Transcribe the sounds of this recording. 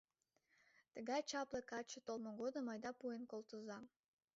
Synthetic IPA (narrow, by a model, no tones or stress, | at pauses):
t̪ə̆ɡɑjt͡ɕɑplˠɤkɑt͡ʃə̆t̪olˠmoɡod̪ɤ̆mɑjd̪ɑpuenkolˠt̪əzɑm